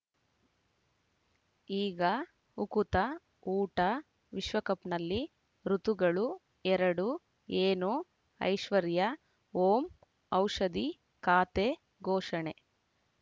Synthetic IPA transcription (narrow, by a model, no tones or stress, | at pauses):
iːɡɐ | ukut̪ɐ | uːʈɐ | ʋiʃʋɐkɐpnɐlːi | ɾut̪uɡɐɭu | ɛɾɐɽu | eːnu | ɐ̰jʃʋɐɾjɐ | oːm | ɐwʂɐd̪i | kaːt̪eː | ɡʱɔːʂɐɳe